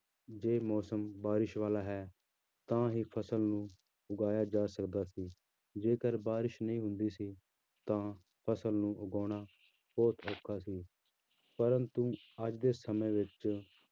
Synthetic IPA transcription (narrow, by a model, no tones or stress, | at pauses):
d͡ʒeːmɔːsəmbaːɾɪʃʋaːlaːɦɛː | t̪ãːɦiːpʰəsəlnũː | ʊɡaːjaːd͡ʒaːsəkd̪aːsiː | d͡ʒeːkəɾbaːɾɪʃnəĩːɦʊ̃nd̪iːsiː | t̪ãː | pʰəsəlnũːʔʊɡaːɽ̃aː | b̥ɔːt̪ʰɔːkʰːaːsiː | pəɾənt̪ũː | əd͡ʒd̪eːsəmẽːʋɪt͡ʃ